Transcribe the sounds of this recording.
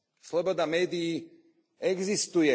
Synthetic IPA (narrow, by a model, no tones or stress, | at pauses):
slɔbɔd̪amɛːd̪iː | ɛɡzist̪ujɛ